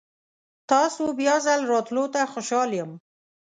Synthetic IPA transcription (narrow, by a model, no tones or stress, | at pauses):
t̪ɑsobjɑzalɾɑt̪lot̪axoʃɑljəm